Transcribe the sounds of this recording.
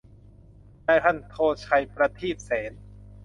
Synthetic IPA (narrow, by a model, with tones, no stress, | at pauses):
naː˧˩jt̪ʰa˧˥˨nt̪ʰoː˧˩t͡ɕʰa˧˩jpɾa˧t̪ʰiː˥˩p̪̚sɛː˩˦n